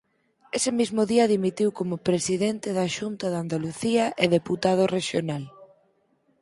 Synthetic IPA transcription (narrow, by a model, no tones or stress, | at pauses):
esɪmizmʊðiɐðimit̪iwkomʊpɾesiðent̪ɪðɐʃunt̪ɐðand̪aluθiɐʔeðeput̪að̞ʊreʃjonal